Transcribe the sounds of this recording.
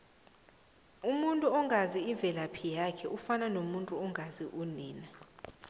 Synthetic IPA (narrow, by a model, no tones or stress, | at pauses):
umuntʼuɔŋɡʱaziiɱvʱɛlapʰijakʰɛʔufananomuntʼuɔŋɡʱaziʔuniːna